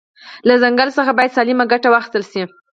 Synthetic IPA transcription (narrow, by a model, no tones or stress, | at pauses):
lazaŋɡalsəxabɑjad̪sɑlimaɡaʈawaxɪ̥st̪əlʃi